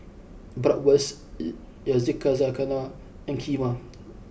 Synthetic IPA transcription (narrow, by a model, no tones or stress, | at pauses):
bɾaʔwas | jazikːazakana | aŋkʰʲima